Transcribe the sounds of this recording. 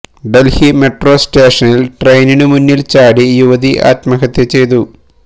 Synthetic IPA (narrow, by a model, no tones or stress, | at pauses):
ɖelhimeʈro̞ːsʈeːʂɐnilʈrejninɨmunːilt͡ɕaːɽijuʋɐðiʔa̰ːt̪mɐɣɐt̪ːe̞t͡ɕe̞jt̪u